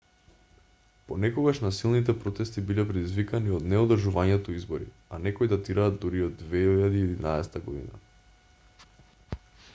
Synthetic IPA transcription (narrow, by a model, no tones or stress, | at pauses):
ponɛkoɡaʃnasilˠnit̪̬ɛpɾot̪ɛst̪ibilɛpɾɛd̪izvikaniod̪nɛod̪rʒuvaɲɛt̪ɔizboɾḭ | anɛkojd̪at̪iɾaːd̪d̪uɾiod̪ːvɛiʎad̪iɛd̪inaɛsɛ̥t̪aɡod̪ḭna̰